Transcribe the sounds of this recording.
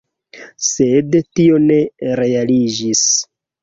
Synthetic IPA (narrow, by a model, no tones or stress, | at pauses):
se̞dtio̞ne̞ɾe̞alid͡ʒis